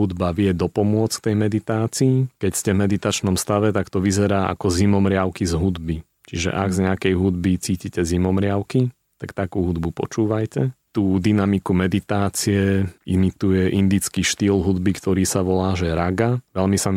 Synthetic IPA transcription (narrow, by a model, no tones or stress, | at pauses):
ɦud̪baʋɪɛd̪ɔpɔmʊɔt͡skt̪ɛjmɛd̪it̪aːt͡siːkɛcscɛvmɛd̪it̪at͡ʃnɔmst̪aʋɛt̪akt̪ɔʋizɛɾaːʔa̰kɔzimɔmɾɪaʊkizɦud̪bi | t͡ʃiʒɛ̰ʔaɡzɲɛakɛjɦud̪bit͡siːcicɛzimɔmɾɪaʊki | t̪akt̪akuːɦud̪bupɔ̰t͡ʃuːʋajcɛt̪uːd̪inamikumɛd̪it̪aːt͡siɛimit̪ujɛʔind̪it͡skiʃt̪iːlɦud̪bikt̪ɔɾiːsaʋɔlaːʒɛɾaɡaʋɛlmisa